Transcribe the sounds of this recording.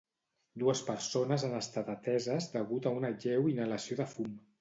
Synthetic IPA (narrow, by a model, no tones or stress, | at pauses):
d̪uəspəɾsonəzanəst̪at̪at̪ɛzəzd̪əɣut̪əunaʒɛwinələsioðəfum